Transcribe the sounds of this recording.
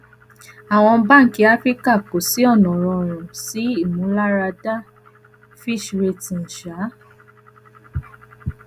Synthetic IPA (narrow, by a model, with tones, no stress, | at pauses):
a˨w̃ɔ̃˧˦ba˦ŋ̩˨ki˨˧˦a˦fɾi˦ka˦˨ko˨si˨˦ɔ˦˨nɔ̃˨ɾɔ̃˧˨ɾ̃ũ˨si˨˦i˦˨mũ˨˦la˦ɾa˧da˦ | fi˦˨ʃɾe˧tĩ˨n̩˨ʃa˨˦